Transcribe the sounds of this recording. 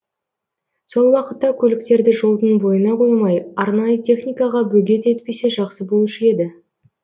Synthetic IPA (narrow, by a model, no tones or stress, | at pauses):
so̞lˠwɑqət̪ːɑkʲʰɵlɪk̚t̪e̞ɾd̪ɪʒo̞lˠd̪ənbo̞jənɑqʰo̞jmɑjɑɾnɑjət̪ʲʰe̞χnʲijkɑʁɑbɵɡʲe̞t̪e̞t̪pe̞se̞ʒɑqsəbo̞lˠuʃəe̞d̪ɪ